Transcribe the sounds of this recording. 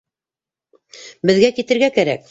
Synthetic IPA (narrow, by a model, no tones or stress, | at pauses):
bɘ̆ðɡækit̪ɘ̆ɾɡækæɾæk̚